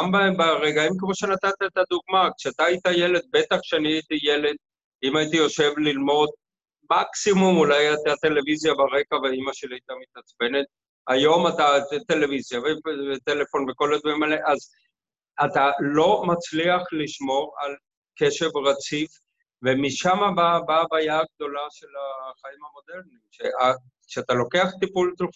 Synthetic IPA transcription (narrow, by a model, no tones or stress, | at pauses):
ambabaʁeɡaimkemo̞ʃe̞nat̪at̪aet̪ad̪uɡ̚makʃeat̪aːit̪aje̞le̞d̪̚be̞t̪aχʃeaniait̪ijele̞d̪̚ | imait̪̬ijo̞ʃe̞vlilmo̞d̪̚ | maksimumulajat̪at̪e̞le̞vizjabaʁe̞kaveimaʃeliait̪amit̪at͡sbe̞ne̞t̪̚ | ajo̞mat̪at̪e̞le̞vizjavevet̪ele̞fo̞nve̞ko̞lad̪vaʁimaleʔaz | at̪alo̞mat͡sliaχliʃmo̞ʁal | keʃe̞vʁat͡sif | vemiʃamababaːbaːjaɡ̚d̪o̞laʃe̞laχaimhamo̞de̞ʁnimʃeʔa | ʃeat̪alo̞ke̞aχt̪ipult̪lu